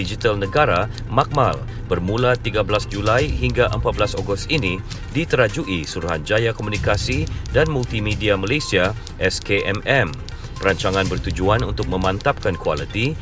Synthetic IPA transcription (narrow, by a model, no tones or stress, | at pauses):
id͡ʒit̪alnəɡaɾa | mak̚mal | bərmulat̪iɡabəlasd͡ʒulajɦiŋɡaʔəmpat̪̚bəlasoɡʊst̪ini | dit̪əɾad͡ʒuʔisuɾuɦand͡ʒajakomunikasidanmult̪imediamalesia | ʔɛskeʔɛmɛm | pəɾaɲt͡ʃaŋãnbərt̪ud͡ʒuanunt̪ʊk̚mə̃mãnt̪ap̚kankua̰lit̪i